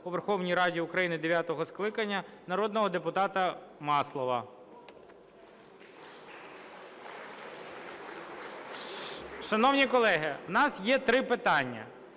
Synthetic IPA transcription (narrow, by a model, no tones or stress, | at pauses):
uʋerxɔwnʲijɾɑdʲiʊkɾɐjinɪd̪eʋʲjat̪ɔɦɔsklˠɪkɐnʲːɐnɐɾɔd̪nɔɦɔd̪epʊt̪ɑt̪ɐmɑslˠɔʋɐ | ʃɐnɔwnʲikɔlˠɛɦɪwnɑsjɛt̪ɾɪpɪt̪ɑnʲːɐ̰